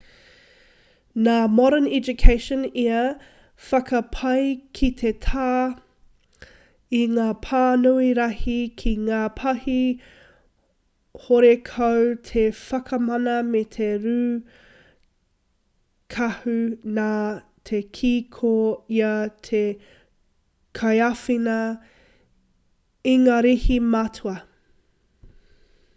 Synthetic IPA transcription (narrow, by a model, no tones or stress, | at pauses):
naːmɔɾənɛd͡ʒukʰeɪʃɔ̃niɐ | fɐkʰɐpʰɐjkʰitʰetʰaː | iŋaːpʰaːnuiɾɐhikʰiŋaːpʰɐhi | hoɾekʰɐwtʰefɐkʰɐmɐnɐmet̪ʰeɾʉː | kʰɐhʉnaː | t̪ʰekʰiːkʰoiɐtʰe | kʰɐjɐfinɐ | iŋaːɾihimɐtʰuɐ